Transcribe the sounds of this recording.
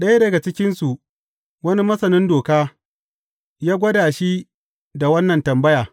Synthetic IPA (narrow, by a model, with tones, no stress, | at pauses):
ɗɐ˦ja˦dɐ˨ɡa˨t͡ʃɪ˦kʲɪ˦nsu˨ | wɐ˦ni˦mɐ˦sɐ˨nɪ˦ndoː˨kaː˦ | jaː˦ɡʷɐ˦daː˨ʃi˦ | da˨wɐ˦nːɐ˨ntɐ˨mbɐ˦jaː˨